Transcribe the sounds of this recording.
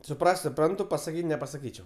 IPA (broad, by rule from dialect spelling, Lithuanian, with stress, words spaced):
sʊˈprɐsʲtʲ sʊˈprɐntʊ pɐsɐˈkʲiːtʲ nʲɛpɐsɐˈkʲiːt͡ʃʲɛʊ